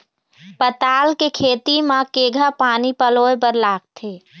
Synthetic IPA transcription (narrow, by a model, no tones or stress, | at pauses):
pət̪aːlkekʰeːt̪imãkeɡʱapaːnipəloepəɾlaːɡ̚t̪ʰe